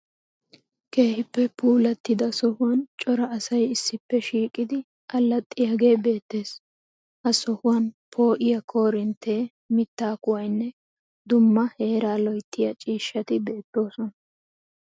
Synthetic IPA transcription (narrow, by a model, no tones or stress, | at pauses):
ke̞ːhɪpːɛpuːlɐt̪ːɪd̪ɐsɔhʊwɐnt͡ʃʼɔɾɐːsɐjɪsːɪpːɛʃiːkʼːɪd̪ɪ | ʔɐlːɐt̪ʼːɪjɐɡe̞ːbe̞ːt̪ːe̞ːs | hɐsɔhʊwɐnpʰo̞ːʔɪjɐkʰo̞ːɾɪnt̪ʰːe̞ː | mɪt̪ːaːkʊwɐjnːɛ | d̪ʊmːɐhe̞ːɾaːlɔjt̪ʰːɪjɐt͡ʃʼiːʃːɐt̪ɪb̪eːt̪ːo̞ːsɔnɐ